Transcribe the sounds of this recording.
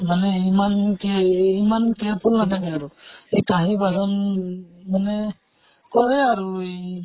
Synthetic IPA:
manɛimankɛimankɛpulnatʰakɛaɹuejkaɦibazɔn | manɛ | kɔɹɛaɹuj

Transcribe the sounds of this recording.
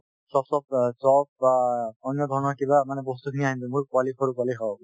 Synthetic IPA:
sɔpsɔb̚sɔbaɔnjɔd̪ʱɔɹɔnɔɹkibamanɛbɔst̪ukʰiniaɦĩntumuɹkʊalikʰoɹukwaliɦɔ

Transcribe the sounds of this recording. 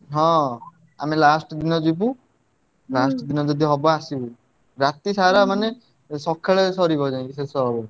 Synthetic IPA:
ɦɔ̃ | a̰melasʈɔd̪inɔd͡ʒip̬u | lasʈɔd̪inɔd͡ʒɔd̪ʱiɦɔbɔasibu | ɾat̪isaɾamane | sɔkʰːeɭesɔɾibʱɔd͡ʒaĩkisesɔɦɔbɔ

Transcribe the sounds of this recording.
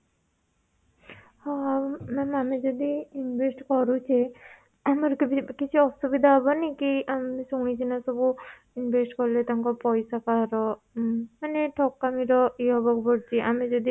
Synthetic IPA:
ɦɔ̃mɛmamid͡ʒɔd̪iːnbʱesʈkɔɾut͡ʃʰi | amaɾkbikit͡ʃʰiɔsubid̪ʱaɦɔbɔnikiamisɔŋit͡ʃʰinasɔbu | inbʱesʈkɔɾlet̪aŋkɔpɔjsakaɾɔ | maneʈʰɔkːamiɾɔiɔbɔkbɔɽt͡ʃʰiʔamid͡ʒɔd̪i

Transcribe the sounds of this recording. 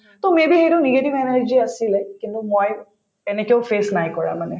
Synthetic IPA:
t̪omẽbʱiɦeʈoniɡeʈiʋɛned͡ʒd͡ʒiəsilekĩnt̪umɔj | enekewfʰesnajkɔɹa̰mane

